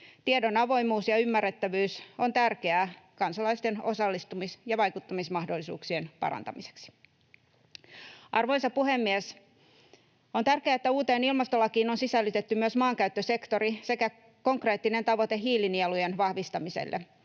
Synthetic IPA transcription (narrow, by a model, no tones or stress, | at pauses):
t̪iedo̞nɑʋo̞jmuːsjɑymːærːet̪ːæʋyːso̞nt̪ærkeækɑnsɑlɑist̪e̞no̞sɑlːist̪umisjɑʋɑjkut̪ːɑmismɑhdolːisṵːksienpɑ̰ɾɑ̰nt̪ɑ̰mise̥ksi̥ | ʔɑrʋo̞jsɑpuhe̞mːies | ont̪ærkeæːet̪ːæuːt̪eːnilmɑst̪olːɑkiːno̞nsisælːyt̪et̪ːymyøsmɑːŋkæyt̪ːøse̞kt̪o̞ɾise̞kæ | ko̞ŋkre̞ːt̪ːine̞nt̪ɑʋo̞t̪eɦiːlinielujenʋɑhʋist̪ɑmisḛlːʔe